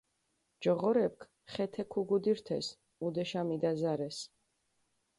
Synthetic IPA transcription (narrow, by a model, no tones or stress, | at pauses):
d͡ʒɔʁɔɾɛp̚kʰ | χɛt̪ʰɛkʰuɡud̪iɾt̪ʰɛ̰s | ud̪ɛʃamid̪azaɾɛs